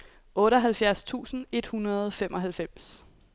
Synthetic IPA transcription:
ʔɔ̽ːɾəɦælfjæɐst͡sʰṵːsn̩e̝d̥hunɐð̞̩ˠfem̰ʔɒ̽ɦælfem̰s

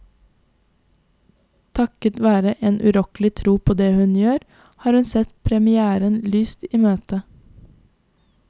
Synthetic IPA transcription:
t̪ʰɑkət̪ʋæːɾəʔeːnʔʉɾɔklɪt̪ʰɾuːpʰoːd̪eːhʉnjøːɾ | hɑːɾhʉnsɛt̪pʰɾɛmɪæːɾənlyːst̪iːmøːt̪ə

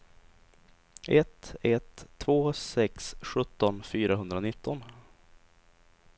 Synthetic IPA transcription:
ʔɛt̪ːɛt̪ʰːvoːsɛksɧɵt̪ːɔnfyːɾaɦɵnd̪ɾanɪt̪ʰːɔn

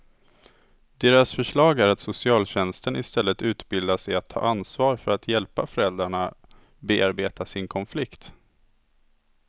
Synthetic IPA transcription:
d̪̥eːɾasfœʂɭɑːɡæɾat̪sʊsɪɑːlɕɛnst̪ənɪ̰st̪ɛlːət̪ʉ̟ːt̪bɪld̪aʂɛjat̪ʰːɑ̰ːʔansvɑːɾfœɾat̪ʰjɛlpafœɾɛld̪ɾaɳa | beːaɾbeːt̪asɪnkʰɔnflɪkt̪

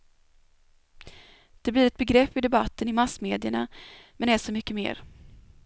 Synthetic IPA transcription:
d̪̥ɛblɪɾɛt̪̚bɛɡɾɛpːɪd̪ɛbat̪ʰːənɪmasmeːd̪ɪəɳa̰mɛnæʂɔmʏkːəmḛːɾ

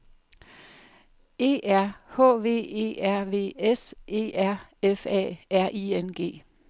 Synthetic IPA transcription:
e̝̰ːʔæɐ̰hɔ̰̽ːʋe̝̰ːe̝̰ːæɐ̰ʋe̝̰ːesʔe̝̰ːæɐ̰efɛ̰ːæɐ̰ʔiːenɡ̥e̝̰ː

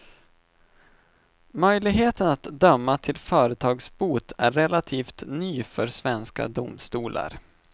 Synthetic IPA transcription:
mœjlɪɡɦeːt̪ənat̪d̪œmːat̪ʰɪlfœːɾət̪ʰɑːɡsbuːt̪ʰæɾɛlat̪ʰiːft̪nyːfœɾsvɛnska̰d̪ʊmst̪uːlʔa̰ɾ

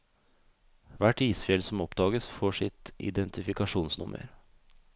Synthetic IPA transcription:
ʋæʈiːsfjɛlsɔmɔpd̪ɑːɡəsfɔʂɪt̪ɪ̰d̪ɛnt̪ɪfɪkɑʂuːnsnʊmʔə̰ɾ

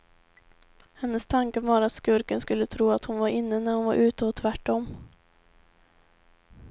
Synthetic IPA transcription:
hɛnːəst̪ʰaŋkəvɑːɾat̪skɵɾkənskɵlːət̪ʰɾuːat̪hʊnvaɾɪnːənæɾhʊnva̰ɾʔʉ̟ːt̪əɔt̪ʰvæʈːɔmː

